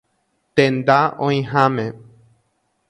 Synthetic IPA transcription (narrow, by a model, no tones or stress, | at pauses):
t̪ẽnd̪aõj̃ɦãmẽ